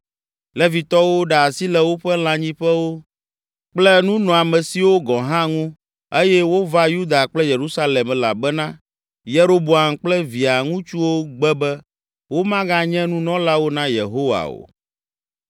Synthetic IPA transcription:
lɛ˦vi˨t̪ɔ˦wo˦ɖa˨a˨si˦lɛ˦wo˦ɸɛ˦l̃ã˦ɲĩ˦ɸɛ˦wo˦ | k͡plɛ˦nũ˦nɔ̃˨a˨mɛ̃˨si˨wo˦ɡɔ̃˨ɦã˦ŋũ˦ | e˦jɛ˦wo˦va˦ju˦d̪a˨k͡plɛ˦je˨ɾu˦sa˦lɛ˨m˨la̰˨bɛ˦nã˦ | je˦ɾo˦bo˨a˨mk͡plɛ˦vi˨a˨ŋũ˦t͡ʃu˦wo˦ɡ͡bɛ˦bɛ˦ | wo˦mã˦ɡã˦ɲɛ̃˦nũ˦nɔ̃˦la˦wo˦nã˦jḛ˨ɦo˦wa̰˨o̰˨

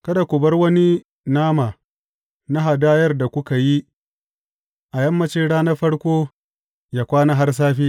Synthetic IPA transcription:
kɐ˦da˨kʷʊ˨bɐ˦rwɐ˦ni˦ | naː˦maː˨ | na˦ɦa˨daː˦jɐ˦rda˨kʷʊ˦ka˨ji˦ | ʔa˨jɐ˦mːɐ˦t͡ʃɪ˦ɽaː˦nɐ˦ɸɐ˦ɽkʷoː˦ | jaː˦kʷaː˦na˦ɦa˦rs̬aː˦ɸiː˦

